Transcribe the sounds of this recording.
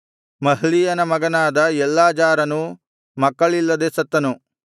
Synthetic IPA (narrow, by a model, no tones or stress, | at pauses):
mɐɦɭijɐnɐmɐɡɐnaːd̪ɐɛlːaːd͡ʒaːɾɐnu | mɐkːɐɭilːɐd̪eːsɐt̪ːɐnu